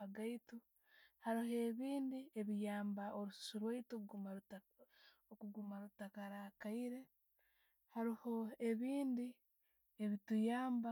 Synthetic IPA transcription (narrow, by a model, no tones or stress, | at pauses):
aɡaitu | haɾiɦe̞ːβiːndie̞βijaːmbaʔoɾussuɾwaituoa | okuɡumaɾutakaɾakaiɾe̞ | haɾiho̞e̞βiːndi | e̞βitujaːmba